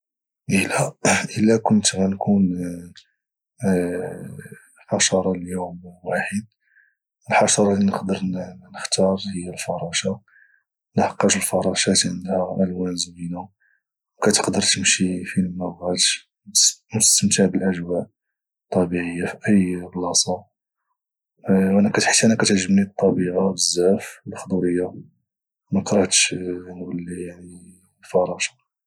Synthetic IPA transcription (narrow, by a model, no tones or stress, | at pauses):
ʔəlæʔəlːækʊnt̪mænkʰun | ħɑʃɑɾˤɑlljumwaħəd̪̚ | əlħɑʃɑɾˤɑlinəqd̪əɾnəxt̪ɑɾˤhəjːælfɑɾˤɑʃa | nəħɑqːɑʃəlfɑɾˤɑʃæt̪ʕənd̪hæʔælwænzminu | wkæt̪ə̥qd̪əɾt̪əmʃifinəmːæwɣælʃ | bmt̪st̪əmt̪aʕbəlʔæʒwæʔ | t̪ˤːɑbiʕəjːafiʔəjblɑsˤɑ | wʔænækæt̪ħə̥t̪ːiʔænækæt̪ʕʒəbnit̪ˤːɑbiʕabəzːæfwəlxd̪ˤuɾəjːa | mækɾˤɑt̪ʃnwəlːijaʕni | lfɑɾˤɑʃḁ